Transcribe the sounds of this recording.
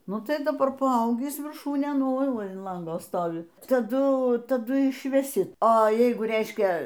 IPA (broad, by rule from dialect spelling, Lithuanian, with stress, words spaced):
ˈnʊ ˈtɐɪ dɐˈbɐr pɐˈɐʊɡʲiːs ʋʲɪrˈʃuːnʲeːn ˈoːɪ ˈʋɐ ɪn ˈlˠɐŋɡoː ˈstoːʋʲɪ tɐˈdʊ tɐˈdʊ ɪʃʲʋʲɛˈsʲɪ oːˈjɛɪɡʊ ˈrʲɛɪʃʲkʲɛ